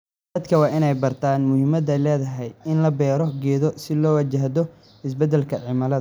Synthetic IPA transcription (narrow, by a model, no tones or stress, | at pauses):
d̪ɐd̪kʰɐwɑːʔɪnɛjbɐrt̪ʰaːnmʊhɪmɐd̪ɛjlɛːðɐɦɛjɪnlɐbɛːɾɔɡɛːðɔsɪlɔːwɐt͡ʃɐɦd̪ɔ | ɪs̬bɛd̪ːɛlkʰɐʕɪmɐlɐɐ